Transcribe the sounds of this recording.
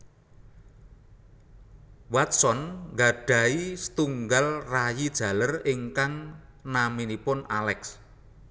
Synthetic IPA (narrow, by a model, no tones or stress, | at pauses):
wat̪̚sɔnŋɡaɖ̥a̤isə̥t̪uŋɡalrajid̥ʒ̥ä̤lərɪŋkaŋ | naminipʊnʔalɛks